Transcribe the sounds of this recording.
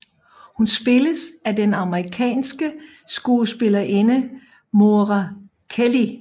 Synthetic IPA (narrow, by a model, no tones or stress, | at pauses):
hunsb̥e̝ləsæd̥enɑ̈məʁikʰɛ̰ːnsɡ̥ə | sɡ̥uːləsb̥e̝lɐʔe̝nə | mo̝ːʁɑ | kʰeli